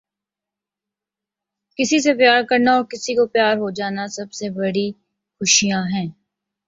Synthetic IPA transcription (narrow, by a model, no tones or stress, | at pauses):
kɪsis̬epjaːɾkɐɾnaɔːɾkɪsikopjaːɾɦod͡ʒaːnasɐbsebɐɽi | xʊʃijãɦɛ̃ː